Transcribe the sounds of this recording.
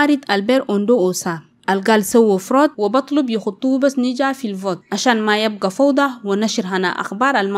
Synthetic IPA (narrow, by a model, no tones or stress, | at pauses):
aɾid̪albeɾʔond̪oʔosa | ʔalɡalsawːafɾoːt̪̚wibɑt̪ˤlubjixut̪ˤːuubasnid͡ʒafilvoːt̪̚ʔaʃaːnmajab̚ɡafawd̪ˤɑwanaʃiɾɦana̰ʔa̰xbɑːɾˤalma